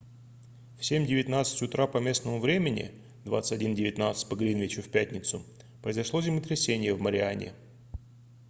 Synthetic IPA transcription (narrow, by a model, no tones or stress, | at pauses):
fsʲemʲdʲɪvʲɪt̪nat̪sɨ̥tʲʊt̪ɾapɐmʲe̞snəmʊvɾʲemʲɪnʲɪ̰ | d̪va̰t̪sɨ̥tʲɐdʲindʲɪvʲɪt̪nat̪sɨ̥t̚ʲpəɡɾʲinvʲɪt͡ɕʊfʲpʲætʲnʲɪt̪sʊ | pɾəɪzɐʂlˠozʲɪmʲət̪ɾʲɪsʲenʲɪjəvməɾʲɪanʲɪ̰